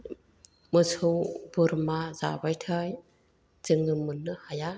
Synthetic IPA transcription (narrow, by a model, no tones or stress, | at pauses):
mɯsʰowbɯɾmaza̰bajtʰaj | zɯŋɯmunɯhaja